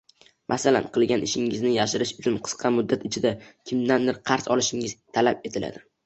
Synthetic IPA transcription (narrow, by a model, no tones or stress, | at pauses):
mʔasala̰nqʰɨlˠɡʲanʔɪʃɪŋɪznɪjaʃɪɾɪʃʊt͡ʃʰʊnqʰɨ̥sqʰɑmʊd̪ːat̪ɪt͡ʃʰɪd̪akʲʰɪmd̪and̪ɪɾqʰɑɾsɒlˠɪʃɪŋɪzt̪ʰalap̚e̞t̪ʰɪla̰d̪ɪ